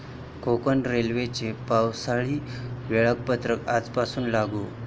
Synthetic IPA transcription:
kʰokənɾelʋet͡ɕepawsaɭiːʋeɭak̚pət̪ɾəkad͡zpasuːnlaɡu

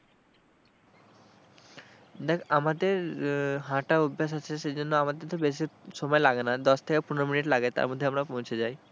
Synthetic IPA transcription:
d̪ɛkʰamad̪eɾɦãʈaubʱːeʃ̬at͡ɕʰeʃed͡ʑonːoamad̪eɾt̪obeʃiʃɔmɔelaɡenad̪ɔʃt̪ʰekepuneɾominiʈlaɡet̪a̰ɾmod̪ʱːeamɾapõwt͡ɕʰed͡ʑaj

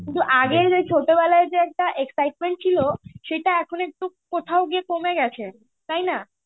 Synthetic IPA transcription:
kint̪uʔaɡeɾd͡ʑet͡ɕʰoʈobɛlaed͡ʑeɛk̚ʈaʔeksajʈ̚meɳʈ̚t͡ɕʰiloʃejʈaɛkʰonek̚ʈu | kot̪ʰaoɡiekomeɡɛt͡ɕʰe | t̪ajna

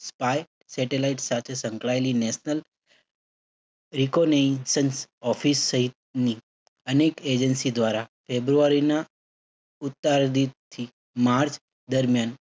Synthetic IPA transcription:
spaj | sɛʈelaiʈsat̪ʰesə̃ŋkɭaelinɛʃnəl | ɾikonesənsɔfisːəɦit̪̚ni | əneked͡ʒənsid̪ʋaɾafebɾuaɾina | ut̪ːaɾd̪it̪ʰi | maɾt͡ʃ | d̪əɾmjan

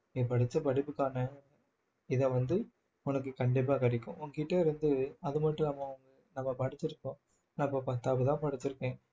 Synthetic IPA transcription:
nipɐɽɪt͡ʃːɐpɐɽɪpːɯkːaːnɐ | ɪðɐʋɐnd̪ɯ | ʊnɐkːɯkɐɳɖɪp̬ːaːkɐɽɪkːʊ̃ʊŋɡɐkɪʈːɐɪɾɯnd̪ɯɐðɯmɐʈːɯ̃nɐmːɐʊŋɡɐ | nɐmːɐpɐɽɪt͡ʃːɪɾɯkːõː | napːɐpɐt̪ːaːpɐt̪ãːpɐɽɪt͡ʃːɪɾɯkːẽː

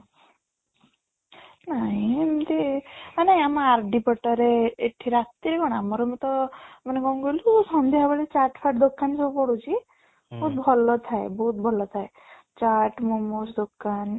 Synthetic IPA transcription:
naɦĩmt̪eanaj̃amaɾɖipɔʈɔɾeːʈʰiɾat̪iɾeɡɔɽ̃amɔɾɔmɔt̪ɔmaneɡɔŋ̃ɡojlusɔnd̪eɦabaɭit͡ʃaʈpʰaʈd̪okːansɔbɔpɔɽut͡ʃʰi | bɔɦt̪bʱɔlɔt̪ʰaebɔɦut̪̚bʱɔlɔt̪ʰae | t͡ʃaʈmomosd̪okːan

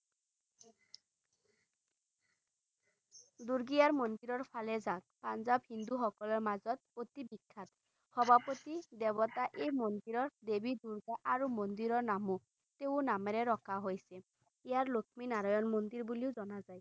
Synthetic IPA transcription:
d̪uɾɡiaɹmɔnd̪iɾɔɹpʰalezak̚panzabhind̪uɦɔkɔlɔɹmazɔt̪̚ot̪ibikʰːat̪ | hɔbʱapot̪id̪ɛbɔt̪aʔemɔnd̪iɾɔɹd̪ebid̪uɾɡaʔaɾumɔnd̪iɾɔɹnamu | t̪eʊ̃namɛɾeɾɔkʰaɦojse | ijaɹlokʰminaɾɔjɔnmɔnd̪iɾbuliozɔnazaj

